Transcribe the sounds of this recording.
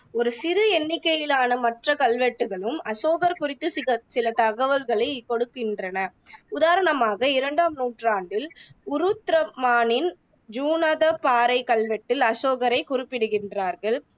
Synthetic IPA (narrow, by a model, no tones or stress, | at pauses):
ɔɾɯsɪɾɯɛnːɪkːɐjɪlaːnɐmɐʈrɐkɐlʋɛʈːɯɣɐɭɯmɐsoːɣɐɾkʊrɪt̪ːɯɪɐsɪlɐt̪ɐɣɐʋɐlɣɐɭɐɪkɔɽɯkːɪndrɐnɐʊðaːɾɐɳɐmaːɣɐɪɾɐɳɖaːmnuːʈraːɳɖɪlʊɾɯt̪ːɾɐmaːnɪn | d͡ʒuːnɐðɐpaːɾɐɪkɐlʋɛʈːɪlɐsoːɣɐɾɐɪkʊrɪpːɪɽɯɣɪndraːɾɣɐɭ